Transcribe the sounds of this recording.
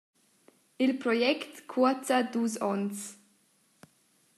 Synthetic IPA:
ɪlpɾɔjɛkt̪kʰuɐtad̪uːsɔns

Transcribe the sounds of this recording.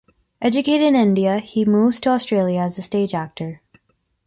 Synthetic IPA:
ʔɛd͡ʒɨkʰeɪɾɨɾɨ̃nɪ̃ndiɨhimuvz̥tʰəstɹ̥eɪlˠjɨːzɨsteɪd͡ʒæk̚tə˞

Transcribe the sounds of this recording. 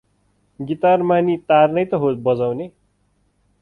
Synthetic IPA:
ɡit̪armanit̪arnʌjt̪ʌɦobʌd͡zawne

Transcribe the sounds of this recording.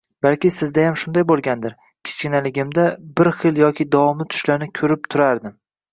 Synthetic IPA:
b̥alkʲɪsɪzd̪ajamʃʊnd̪ajbolˠɡʲand̪ɪɾ | kʲʰɪ̥t͡ʃkʲɪnalɪɡʲɪmd̪abɪɾχɨljɒkʲɪd̪avɒmnɪt̪ʰʊ̥ʃlanɪkʲʰɵɾɪp̚t̪ʰʊɾaɾd̪ɪm

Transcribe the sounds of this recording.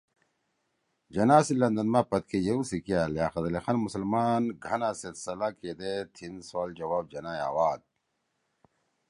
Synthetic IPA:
d͡ʒɐnaːsilɐnd̪ɐnmapɐt̪̚kʰejeusikijaljaːxɐzɐlexɐnmusɐlmaːnɡʱɐnaset̪sɐlaked̪et̪ʰinsaːld͡ʑɐwaːb̚d͡ʒɐnaːja̰ːwaːd̪̚

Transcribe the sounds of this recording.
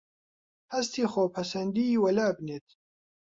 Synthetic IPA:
hɐst̪iːxoːpʰɐsɐnd̪iiːwɐlaːbneːt̪̚

